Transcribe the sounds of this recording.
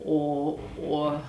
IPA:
ˈoː ˈuɔ

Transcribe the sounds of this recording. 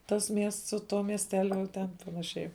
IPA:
ˈtɐs ˈmʲiɛsts sʊ ˈtuɔ mʲiɛsʲˈtʲæːlʲʊ jɛʊ ˈtʲɛn pɐnɐˈʃʲɛɪ

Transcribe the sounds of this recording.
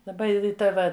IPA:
dɐˈbɐ ˈɪ ˈtɐ ʋɐ

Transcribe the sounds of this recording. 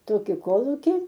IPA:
ˈtoːkʲɪ ˈkoːlˠuːkʲɪ

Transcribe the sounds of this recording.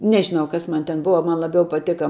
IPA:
ˈnʲæːʒʲɪnɐʊ ˈkɐs ˈmɐn tʲɛn ˈbʊʋɐ ˈmɐn lˠɐˈbʲɛʊ pɐˈtʲeːkɐ

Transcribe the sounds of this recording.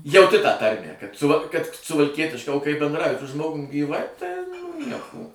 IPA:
jɛʊˈtʲɪ tɑː ˈtɐrʲmʲæː kɐt ˈsʊʋɐ kɐt sʊʋɐlʲˈkʲiɛtʲɪʃkɐ oː kɐɪ bʲɛndˈrɐʊjɪ sʊ ˈʒmoːɡʊm ɡʲiːˈʋɐɪ tɐɪ ˈnʲiɛkoː

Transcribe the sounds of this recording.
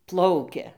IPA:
ˈplˠɐʊkʲɛ

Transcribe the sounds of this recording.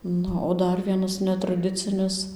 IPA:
ˈnʊ oː ˈdɐr ˈʋʲiɛnɐs nʲɛtrɐˈdʲɪt͡sʲɪnʲɪs

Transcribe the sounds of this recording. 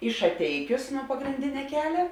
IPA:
iː ʃɐˈtʲɛɪkʲʊs nuɔ pɐɡrʲɪnʲˈdʲɪnʲɛ ˈkʲæːlʲɛ

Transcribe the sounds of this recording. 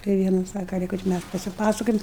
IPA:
tɐɪ ˈʋʲiɛnɐ ˈsɑːkɐ ˈlʲiːkɐ t͡ʃʲɛ ˈmʲæs pɐsʲɪˈpɑːsɐkoːjɛm

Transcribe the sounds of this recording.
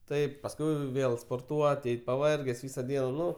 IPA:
ˈtɐɪp pɐsˈkʊɪ ˈʋʲeːlˠ spoːrˈtuɔt ˈɛɪt pɐˈʋɐrʲɡʲɛs ˈʋʲiːsɐ ˈdʲiɛnɐ ˈnʊ

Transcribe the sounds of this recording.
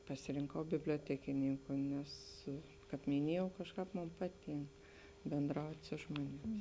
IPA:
pɐsʲɪrʲɪŋˈkɐʊ bʲɪbʲlʲoːˈtʲæːkʲɪnʲɪŋkʊ nʲɛs kɑːp mʲɪˈnʲiɛjɛʊ ˈkɑːʃˌkɑːp ˈmoːn ˈpɑːˌtʲiːŋk bʲeːnˈdrɐʊtʲ ˈsʊ ʒmoːnʲeːˌmʲɪs

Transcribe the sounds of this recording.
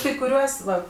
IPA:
kɐɪ kʊˈrʲuɔs ˈʋɐ

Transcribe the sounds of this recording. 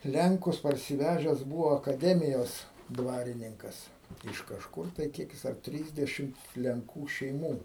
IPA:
ˈlʲɛŋkʊs pɐrʲsʲɪˈʋʲæːʒʲɛs ˈbuːʋoː ɐkɐˈdʲæːmʲɪjoːs ˈdʋɑːrʲɪnʲɪŋkɐs ɪʃ kɐʃˈkʊr tɐɪ ˈkʲiɛk jɪs ɐr ˈtʲrʲiːzʲdʲɛʃʲɪm lʲɛŋˈkuː ʃʲɛɪˈmuː

